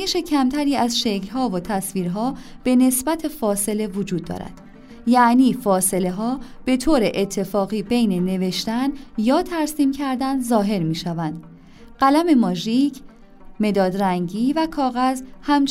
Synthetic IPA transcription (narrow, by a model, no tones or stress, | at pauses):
eʃe̞cʰæmt̪ʰæɾiːæzʃe̞clɦɒːvot̪ʰæsviːɾɦɒːb̥e̞ne̞sbæt̪ʰe̞fɒːse̞le̞vod͡ʒuːd̪̚ːɒ̰ːɾæ̰d̪̥ | jæʔniːfɒːse̞le̞ɦɒːb̥e̞t̪ʰoːɾeʔet̪ʰːe̞fɒːɣiːbe̞jne̞ne̞ve̞ʃt̪ænjɒːt̪ʰæɾsiːmcʰæɾd̪ænzɒːɦe̞ɾmiːʃævænd̪̥ | ɢ̥ælæme̞mɒːʒiːcʰ | me̞d̪ɒːd̪ɾæŋɟiːvækʰɒːɣæzhæmt͡ʃ